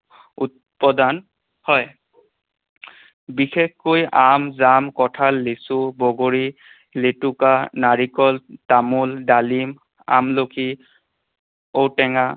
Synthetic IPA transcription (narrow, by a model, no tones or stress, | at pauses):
ut̚ | pɔdan | hɔj | bixexkojʔamzamkɔtʰalːesʊbɔɡoɹi | letukanaɹikɔltamuldalim | a̰mlokʰi | owtɛŋa